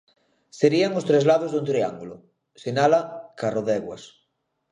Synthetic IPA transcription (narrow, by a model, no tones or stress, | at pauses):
seɾiaŋost̪ɾezlaðozðount̪ɾia̰ŋɡulʊ | senalakaroðɛɣwas